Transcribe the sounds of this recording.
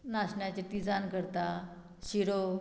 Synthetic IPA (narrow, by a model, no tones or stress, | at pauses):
naɕɳjat͡ɕet̪id͡zankəɾt̪a | ɕiɾo